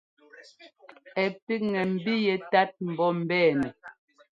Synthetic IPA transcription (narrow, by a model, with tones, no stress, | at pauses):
ɛ˨pi˦ŋɛ˨m̩˨bi˦jɛ˨ta˦t̚m̩˨bɔ˦m̩˨bɛː˦˨nɛ˨